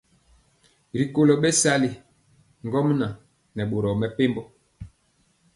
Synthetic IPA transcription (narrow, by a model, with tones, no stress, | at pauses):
ɾi˨ko˨lo˨ɓɛ˦sa˦li˨ | ŋ˨ɡɔ˦mna˨ | nɛ˨ɓo˨ɾɔ˨mɛ˦˨pe˦mbɔ˦